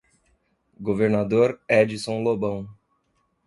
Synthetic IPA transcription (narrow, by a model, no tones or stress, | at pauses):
ɡoveɾnad̪oɾɛd͡ʒisõw̃lobɐ̃w̃